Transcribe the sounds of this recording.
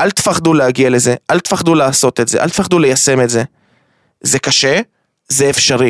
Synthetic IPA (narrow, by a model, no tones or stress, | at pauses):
ʔalt̪faχd̪uleaɡiale̞ze̞ʔalt̪faχd̪ulaːso̞t̪etzeʔa̰lt̪faχd̪ule̞jase̞metze̞ | zekaʃe | zeːfʃaʁi